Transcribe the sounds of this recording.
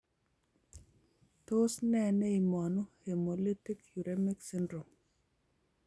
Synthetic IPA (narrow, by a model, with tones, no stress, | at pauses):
to˦snɛ˦nɛ˦i˨mɔ˨nu˦he˨mo˨li˦ti˦kju˨ɾe˦mi˦ksi˦ndɾo˨m